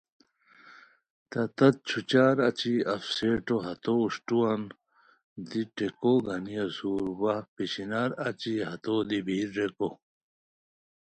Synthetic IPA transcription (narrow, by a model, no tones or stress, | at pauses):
t̪ɐt̪ɐt̪̚t͡ɕʰut͡ɕaːɾɐt͡ɕiɐfseːʈoɦɐt̪ouʂʈuɐn | d̪iʈekoɡɐnijɐzuːɾwɐpiɕinaɾɐt͡ɕiɦɐt̪oːd̪ibʱiːɾːeko